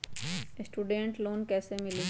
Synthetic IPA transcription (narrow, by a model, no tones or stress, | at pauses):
sʈuːɖẽɳʈloːnkɛːsemɪli